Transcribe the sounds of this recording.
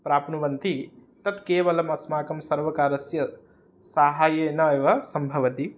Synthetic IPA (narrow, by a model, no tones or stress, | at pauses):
pɾaːpnuʋɐnt̪it̪ɐt̪keːʋɐlɐmɐsmaːkɐmsɐɾʋɐkaːɾɐsjɐ | saɦaːjeːnɐeːʋɐsɐmbʱɐʋɐt̪i